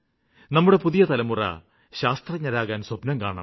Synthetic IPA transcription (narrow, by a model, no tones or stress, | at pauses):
nɐmːuɽe̞puðijɐt̪ɐlɐmurɐ̰ | ɕaːst̪rɐɲɐɾaːɣaːnswɐbnɐmkaːɳa̰m